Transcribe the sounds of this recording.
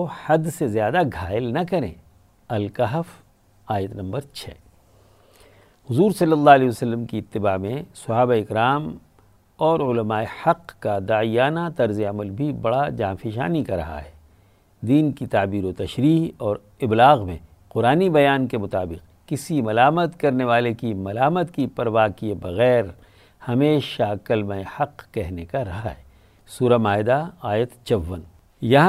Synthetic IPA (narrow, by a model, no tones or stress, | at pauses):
ohɐd̪sezjaːd̪aɡʱaːɪlnɐkɐɾḛ̃ː | ɐlkɐɦəf | aːjət̪nɐ̃mbəɾt͡ʃʰɛ̰ː | hʊzuːɾsɐlːəlːaɐlɛːəsɐlːəmkiɪt̪ːɪbaːmẽsɐɦaːbaɪkɾaːm | ɔːɾʊlɐmaːehɐqkad̪aːijaːnat̪ɐɾzeɐməlbʱibɐɽad͡ʒaːfiʃa̰ːnikaɾɐ̰ɦa̰ɦɛː | d̪iːnkit̪aːbiːɾot̪ɐʃɾiːɦɔːɾ | ɪblaːɣmḛ̃ | qʊɾaːnibɐjaːnkemʊt̪aːbɪq | kɪsimɐlaːmət̪kɐɾneʋaːlekimɐlaːmət̪kipɐɾʋaːkiebɐɣɛːɾ | hɐmeːʃakɐlmaːehɐqkɛɦnekaɾɐɦaɦɛː | suːɾamaːɪd̪aaːjət̪t͡ʃɐʋːən | jɐɦã